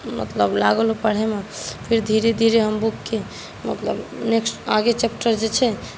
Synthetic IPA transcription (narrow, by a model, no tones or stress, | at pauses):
mə̰t̪ləblaɡəlopəɽ̤ɛmepʰiɾd̪ʱiɾed̪ʱiɾeɦəmbukːe | mə̰t̪lə̰bneksʈaɡet͡ʃep̚ʈəɾd͡ʒet͡ʃʰɛ